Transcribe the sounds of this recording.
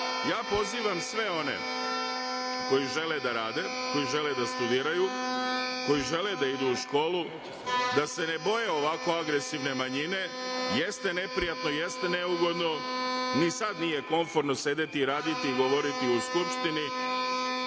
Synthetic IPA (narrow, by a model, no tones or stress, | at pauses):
jaːpo̞ziːʋamsʋe̞o̞ne̞̰ | ko̞jiʒe̞led̪aɾaːd̪e̞ko̞jiʒe̞led̪ast̪ud̪iːɾaju | ko̞jiʒe̞led̪aid̪uːʃko̞ːlu | d̪ase̞ne̞bo̞je̞o̞ʋako̞aɡɾe̞siʋne̞maɲine̞je̞st̪e̞ne̞pɾijat̪noje̞st̪e̞neuɡo̞d̪no̞nisad̪nije̞ko̞ɱfo̞ɾnose̞d̪et̪iɾaːd̪it̪iːɡo̞ʋo̞ɾit̪iuskupʃt̪ini